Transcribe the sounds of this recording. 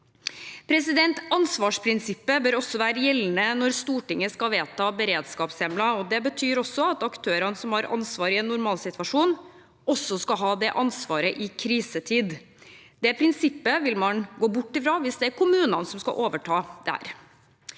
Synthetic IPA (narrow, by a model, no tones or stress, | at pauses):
pʰɾɛsɪd̪ɛnt̪ɑnsʋɑːʂpʰɾɪnsɪpːəbøːɾɔsːɔʋæːɾəjɛlːn̩ənɔɾst̪uːʈɪŋːəskɑʋeːt̪ʰɑːbəɾeːd̪skɑːpsɛmlɑɔd̪ɛbət̪ʰyːɾɔsːɔɑt̪ɑkt̪ʰøːɾɑnəsɔmhɑɾʔɑ̰nsʋɑːɾɪɛnːʊɾmɑːlsɪt̪ʋɑʂuːn | ɔsːɔskɑɦɑːd̪ɛʔɑnsʋɑːɾəʔɪkʰɾiːsət̪ʰiːd̪ | d̪ɛpʰɾɪnsɪpːəʋɪlmɑnɡoːbʊʈːɪfɾɑːʋɪsd̪ɛæɾkʊmʉːnɑnəsɔmskɑ̰ʔoːʋəʈʰɑːd̪̥ɛæ̰ɾ